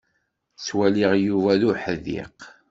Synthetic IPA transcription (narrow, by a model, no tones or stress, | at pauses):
swæliʁjuvæðʊħəðḭq